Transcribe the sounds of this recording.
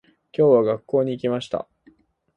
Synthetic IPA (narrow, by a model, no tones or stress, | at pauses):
kʲo̞ːβaɡakːo̞ːɲ̟iːkʲimaɕi̥t̪a̰